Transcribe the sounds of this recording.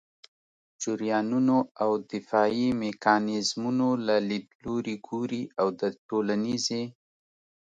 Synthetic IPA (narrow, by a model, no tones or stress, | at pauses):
d͡ʒʊɾjɑnunoawd̪ɪfɑimekɑnɪzmunolalid̪̚loɾiɡoɾiawd̪əʈolanize